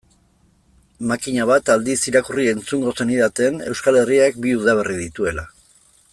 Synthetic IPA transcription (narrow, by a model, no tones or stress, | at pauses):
makiɲaβat̪ald̪isiɾakurie̞nt͡suŋɡo̞seniðat̪e̞ne̞̰wskale̞riak̚biuðaβ̞e̞riðit̪ue̞la